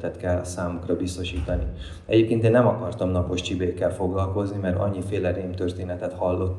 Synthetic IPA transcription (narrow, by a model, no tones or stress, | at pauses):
t̪ɛt̪kɛlːsaːmukrɒbist̪o̞ʃiːt̪ɒni | ɛ̰ɟeːp̚keːnt̪eːnːɛmɒkɒrt̪ɒmnɒpo̞ʃt͡ʃibeːkːɛlfo̞ɡlɒlko̞znimɛɾɒ̰ɲːifeːlɛɾeːmt̪ørt̪eːnɛt̪ɛt̪hɒlːo̞t̪ː